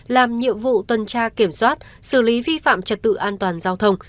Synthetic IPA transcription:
laː˨˩mɲḭ˧˨əmvṵ˧˨t̪wə˨˩nt͡ɕaː˧ki˧˩əmswaː˦˥t̚sɨ˧˩li˨˦vi˧fa̰ː˧˨mt͡ɕə˨˩t̚t̪ɨ̰˧˨ʔaː˧nt̪waː˨˩nzaː˧wt̪ʰə˧wŋ͡m

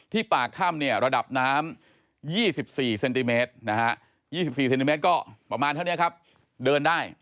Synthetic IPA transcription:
t̪ʰiː˥˩paː˨˩kʰːaː˥˩mni˥˩ɐɾa˧da˨˩p̚naː˦˥m | jiː˥˩si˨˩p̚siː˨˩se˧nt̪i˧meː˦˥t̪̚na˦˥ka˦˥ʔ | jiː˥˩si˨˩p̚siː˨˩se˧nt̪i˧e˦˥t̪̚kɔː˥˩pɾa˧maː˧nt̪ʰa˥˩ni˦˥ɐ˩kʰa˦˥p̚ | dɤː˧ndaː˥˩j

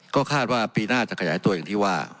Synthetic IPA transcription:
kɔː˥˩kʰaː˥˩t̪̚waː˥˩piː˧naː˥˩t͡ɕa˨˩ʔkʰa˧jaː˩˦jt̪u˧ja˨˩ŋt̪ʰiː˥˩waː˥˩

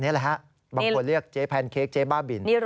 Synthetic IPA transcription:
niː˦˥ɐ˨la˧˦kʰa˦˥ʔ | ba˧˦ko˧nɾɯ˥˩ək̚t͡ɕeː˦˥pʰɛː˧nkʰeː˦˥k̚t͡ɕeː˦˥baː˥˩bi˨˩nniː˦˥

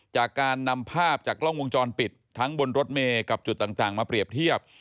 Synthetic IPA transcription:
t͡ɕaː˨˩kːaː˧nːa˧mpʰaː˥˩p̚t͡ɕaː˨˩kːlɔ˥˩ŋwo˧ŋt͡ɕɔː˧npi˨˩t̪ʰːa˦˥ŋbo˧nɾo˦˥t̪̚meː˧ka˨˩p̚t͡ɕu˨˩t̪ːaː˨˩ŋt̪aː˨˩ŋmaː˧pɾi˨˩əp̚t̪ʰi˥˩əp̚

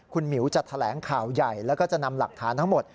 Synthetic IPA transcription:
kʰu˧nmi˨˩˦wt͡ɕa˨˩t̪ʰa˧lɛː˩˦ŋkʰaː˨˩wja˨˩jlɛː˦˥wkɔː˥˩t͡ɕa˨˩na˧mla˨˩k̚t̪ʰaː˩˦nt̪ʰa˦˥ŋmo˨˩t̪̚

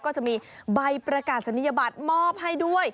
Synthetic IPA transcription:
kɔː˥˩t͡ɕa˨˩ʔ̚miː˧ba˧jpɾa˧kaː˨˩t̪̚sa˧˦nːi˥ja˧baː˨˩t̪̚mɔː˥˩p̚ɦa˥˩jdu˥˩əj

